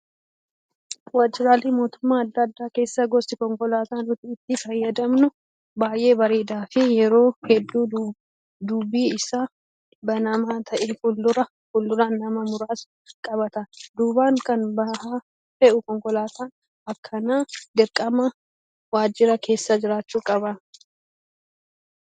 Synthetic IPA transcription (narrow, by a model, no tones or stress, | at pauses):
waːd͡ʒɪɾaːleːmo̞ːt̪ʊmːaːɐd̪ːɐːd̪ːaːke̞ːsːaɡɔsɪkɔŋkɔlaːt̪aːnɾʊt̪ɪːt̪ːɪfɐjːɐd̪ɐmnʊ | baːjʔe̞ːbɐɾeːd̪aːfɪjɛɾo̞ːhɛd̪ːuː | d̪ʊbiːɪsaː | bɐnɐmaːt̪ʰɐʔeːfʊlːʊɾɐ | fʊlːʊɾaːnːɐmɐmʊɾaːs | kʼɐbɐt̪ɐd̪uːbaːŋkɐnbɐha | fɛʔʊkɔŋkɔlaːt̪aːn | ɐkʰːɐnaːd̪ɪɾkʼɐmɐ | waːd͡ʒɪɾɐkʰe̞ːsːad͡ʒɪɾaːt͡ʃːuːkʼɐbɐ